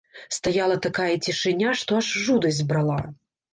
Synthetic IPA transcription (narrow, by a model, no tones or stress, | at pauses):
st̪ajalˠɐt̪akajɐt͡sʲiʂɨnʲaʂt̪ɔaʂʐud̪ɐzʲdʲbɾalˠa